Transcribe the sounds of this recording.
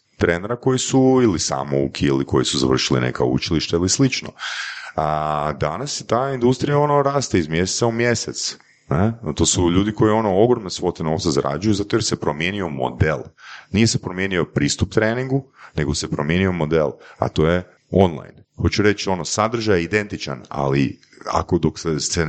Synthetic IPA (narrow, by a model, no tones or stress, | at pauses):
t̪ɾeneɾako̞jisuilisa̰ːmo̰ṵkʰiiliko̞jisuza̰ʋr̩ʃilḭnḛka̰ṵt͡ʃiliʃt̪ailislit͡ʃno̰ad̪anasset̪aːind̪ust̪ɾijao̞no̞ɾaːst̪eizmjeset̪saumje̞set̪s | net̪o̞ːsuʎuːd̪iko̞jio̞no̞o̞ɡɾomnesʋo̞t̪eno̞ːʋtsazaɾʔa̰d͡ʒujuzat̪ojeɾse̞pɾomje̞nio̞mo̞̰d̪elˠnije̞sepɾomjenio̞pɾiːst̪up̚t̪ɾeːniŋɡune̞ɡosepɾomje̞nio̞mo̞d̪elˠa̰t̪o̞ːje | o̞nlˠa̰jnxo̞t͡ʃuɾe̞t͡ʃo̞no̞sad̪r̩ʒajeid̪e̞nt̪it͡ʃa̰na̰li | a̰ko̞d̪oksese